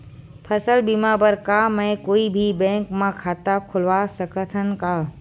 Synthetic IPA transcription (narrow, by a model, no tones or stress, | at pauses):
pʰɐsəlbimabəɾkamɛ̃ɪ̃koːibʱibɛ̃ːŋkmãkʰaːt̪akʰʊlʋasəkʰət̪ʰənɪ̆kaː